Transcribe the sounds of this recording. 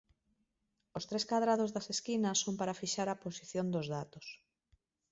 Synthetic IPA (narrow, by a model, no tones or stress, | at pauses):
ost̪ɾeskaðɾaðozðɐseskinɐsːompaɾafiʃaɾaposiθjond̪ozðat̪os